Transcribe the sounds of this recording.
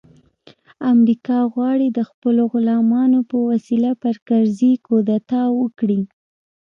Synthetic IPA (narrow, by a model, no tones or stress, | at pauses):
amɾikɑɣwɑɽid̪əxpəloɣʊlɑmɑnopəwasilapəɾkaɾzikod̪at̪ɑwəkɽi